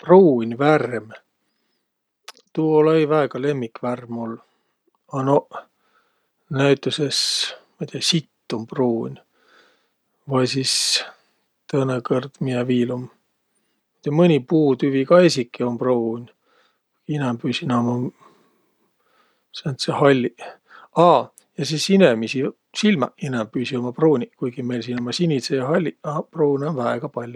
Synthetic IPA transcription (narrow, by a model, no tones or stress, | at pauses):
proːnʲværm | t̪uolejvæeɡ̥ɑle̞mːikværmolː | ɑno | næyt̪ːˑusesmɑjt̪eɑsit̪ːumpruːnʲ | vɑjsis | t̪ɤnekɤrd̪̥mieviːlum | mɑjt̪ːɑmɨnʲipuːt̪yvikɑesʲikːˑio̞mproːnʲ | inempyːsinɑmɑ | sent̪sehɑlʲːi | ɑː | jɑsisinemisi | silmɑ̰inempyːsiomɑproːnʲikujɡ̥imejlsinomɑsinʲit̪sejɑɦɑlʲːiɑproːnʲonvæeɡ̥ɑpɑlʲju